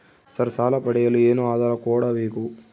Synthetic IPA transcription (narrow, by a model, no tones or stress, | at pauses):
sɐɾsaːlɐpɐɽɛjɐlːieːnuaːd̪ʱaːɾɐkoːɽɐbeːku